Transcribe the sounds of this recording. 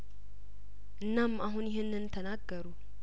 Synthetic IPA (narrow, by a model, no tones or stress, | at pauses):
ʔɨnːamaɦunjɪɦenːɨnt̪ʰənaɡːəɾu